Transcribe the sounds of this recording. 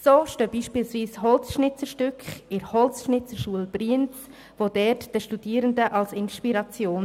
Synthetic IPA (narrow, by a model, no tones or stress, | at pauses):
soːʃtøːb̥iːʃpiːlsviːshɔlt͡sʃnɪt͡səɾʃtʏkχɪɾhɔlt͡sʃnɪt͡səɾʃuəlb̥riənt͡s | vodɛtd̥əʃtud̥iəɾəndəʔɑlsɪnʃpiɾɑt͡sjoːn